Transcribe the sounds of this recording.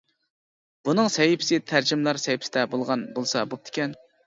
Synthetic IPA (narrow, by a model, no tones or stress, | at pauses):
b̥unɨŋsɛjɪpʰɪ̥sɪt̪ʰæɾd͡ʒɪmlˠɑɾsɛjpʰɪsɪd̪ɛbolˠʁɑnbolˠsɑbup̚t̪ʰɪ̥kʲɛn